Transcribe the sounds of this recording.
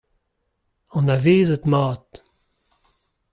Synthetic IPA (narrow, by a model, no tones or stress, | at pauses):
ɔ̃naveːzət̪mɑːt̪